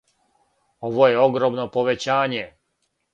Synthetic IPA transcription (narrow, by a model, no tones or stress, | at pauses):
o̞ʋo̞jeo̞ɡɾoːmnopo̞ʋet͡ɕaːɲe